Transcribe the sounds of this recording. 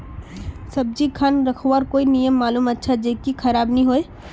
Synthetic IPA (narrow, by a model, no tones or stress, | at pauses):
sɐb̚d͡ʒikʰanɾɐkʰowaɾkoːinijəmːaːluːmɐtːʃʰad͡ʒeːkikʰɐɾaːbnəɦĩɦoːeː